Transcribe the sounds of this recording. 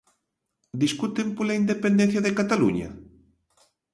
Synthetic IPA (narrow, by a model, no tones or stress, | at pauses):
d̪iskut̪empolaind̪epend̪ẽn̟θjaðekat̪alṵɲa̰